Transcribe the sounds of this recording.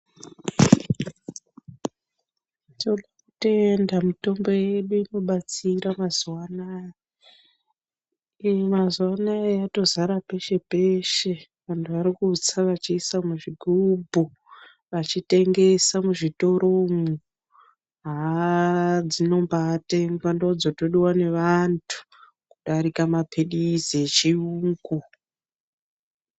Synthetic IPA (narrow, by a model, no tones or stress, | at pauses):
tioɗakute̞ndamito̞mbo̞je̞ɗuino̞ɓat͡siɾamazwanaj | mazwanajato̞zaɾape̞ʃe̞pe̞ʃe̞ | ʋantʰuʋaɾikut͡saʋat͡ʃiːsamuʐiɡʱubʱu | ʋat͡ʃite̞ŋɡe̞samuʐito̞ɾo̞mu | ɦa | d͡zino̞mbaːte̞ŋɡwandod͡zotoɗiwane̞ʋantʰu̥ | kuɗaɾikamapʰeɗizet͡ʃiuːŋɡu